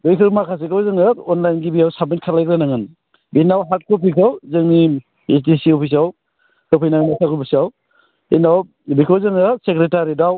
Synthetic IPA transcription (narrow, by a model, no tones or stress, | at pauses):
bɯjkʰɯɾmakʰas̬ikawzɯŋɯɔnlajnɡibijawsamint̚kʰalajkɾanaŋɯn | binawɦaɾt̚kʰɔp̬ikʰawzɯŋni | esdisiɔpʰis̬aw | kɯpʰijnaŋnasʰakʰɯbisaw | inaw | bikʰawzɯŋɯsekɾetaɾidaw